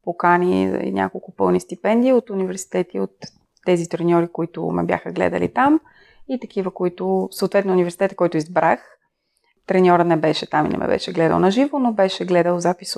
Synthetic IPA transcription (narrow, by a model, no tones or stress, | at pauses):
pokanʲḭḭnʲʔa̰kolˠkʊpɤ̰lˠnist̪ipɛnd̪iːot̪ʊnivɛɾsi̥t̪ɛt̪iot̪ː | ɛzit̪ɾɛnʲɔɾikoit̪ʊ̰mɛ̰bʲja̰xəɡlɛ̰d̪ə̰lḭt̪am | it̪ɐkivəkʊit̪ʊsoːt̪vɛt̪nʊːnivɛɾsi̥t̪ɛt̪ə̥kɔjit̪ʊizbɾax | t̪ɾɛnʲɔɾənɛbɛʃɛt̪amḭnɛ̰mɛ̰bɛ̰ʃɛɡlɛd̪ə̰lˠnɐʒivonobɛʃɛɡlɛd̪əlˠzapis